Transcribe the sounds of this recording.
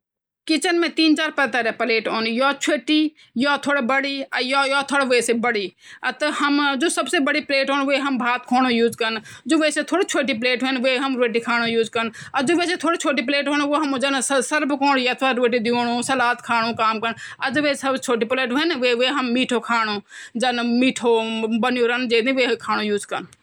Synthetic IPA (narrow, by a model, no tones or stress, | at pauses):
kɪt͡ʃənmẽːt̪iːnt͡ʃaːɾpəːt̪aːɾeːpəleːʈɦoːnjoːt͡ʃʰeːʈiː | jaːt̪ʰoːɽeːbəɽiːəjoːjoːt̪ʰoːɽeʋeeseːbəɽiːət̪əhəmd͡ʒoːsəbseːbəɽiːpleːʈɦoːnʋeːɦəmbʱaːt̪kʰoːñoːjuːzkəɾnd͡ʒoːʋeːseːt̪ʰoːɽiːt͡ʃʰoːʈiːpleːʈɦoːnʋeːɦəmɾeːʈiːkʰaːɽ̃oːjuːzkəɾn | əd͡ʒoːʋeːset̪ʰoːɽiːt͡ʃʰoːʈ̬iːp̬leːʈɦoːnʋoːɦəmd͡ʒənssəɾbkoːɽjat̪ʰʋaːɾeːʈiːd̪ɪoːɳõːsəlaːt̪kʰaːɽõːkaːmkənəd͡ʒoʋeːsəbt͡ʃʰoːʈiːpleːʈɦonʋeːʋeːɦəmːiːʈʰoːkʰaːnoːd͡ʒənmiːʈʰoːbənjoːɾənd͡ʒeːd̪ĩːʋeːkʰaːɽ̃õːjuːd͡ʒkən